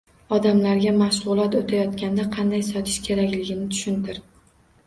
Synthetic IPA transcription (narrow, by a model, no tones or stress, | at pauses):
ɒd̪amlaɾɡʲamaʃʁʊlˠat̪ot̪ʰajɒt̪kʲand̪aqʰɑnd̪ajsɒt̪ʰɪ̥ʃkʲʰe̞ɾakʲlɪɡʲɪnɪt̪ʰʊ̥ʃʊnt̪ɪɾ